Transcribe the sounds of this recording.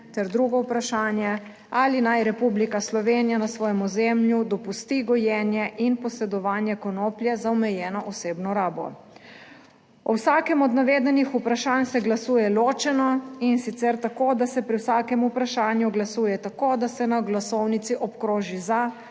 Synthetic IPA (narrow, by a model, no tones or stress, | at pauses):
t̪ɛɾd̪ɾuɡɔwpɾaʃaːnjɛ | alinajɾɛpublikaslɔʋeːnijanasʋɔːjɛmuzemljud̪ɔpust̪iɡɔjɛːnjɛʔinpɔsɛd̪ɔʋaːnjɛkɔnoːpljɛzaɔmɛjɛːnɔʔɔseːbnɔɾaːbɔ̰ | ɔwsaːkɛmɔd̪naʋed̪ɛnixupɾaʃaːnsɛɡlasuːjɛloːt͡ʃɛnɔinsit̪sɛɾt̪akoːd̪asɛpɾiwsaːkɛmupɾaʃaːnjuɡlasuːjɛt̪akoːd̪asɛnaɡlasɔwnit̪siʔɔpkɾoːʒiza